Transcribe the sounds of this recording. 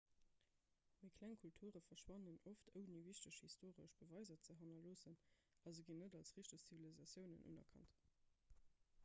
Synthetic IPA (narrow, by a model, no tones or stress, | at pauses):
mikʰlæŋkʰultʰuːʁəfɐʃwɑnənoftʰəʊniviʃtəʃhistoːʁəʃb̥əvɑɪzɐt͡səɦɑnɐloːsən | ɑzəɡinədɑlsʁiʃtəst͡sivilizɑsjəʊnə̰nʔṵːnɐ̰kʰɑ̰nt